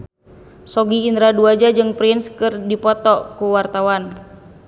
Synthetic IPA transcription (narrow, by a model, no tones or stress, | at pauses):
sɔɡiːnd̪ɾaduad͡ʒad͡ʒɨŋpɾinskɨrdipɔt̪ɔkuwart̪awan